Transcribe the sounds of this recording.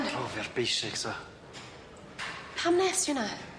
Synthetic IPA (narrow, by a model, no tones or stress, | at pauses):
nr̥ɔvɪrb̥ejsɪksa | pʰamnɛsjʊna